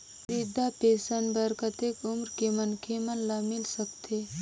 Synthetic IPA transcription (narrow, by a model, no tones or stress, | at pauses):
ɾid̪apeːsənbəɾkət̪ekumɾkemɐnkʰemɐnlamɪlsəkt̪ʰe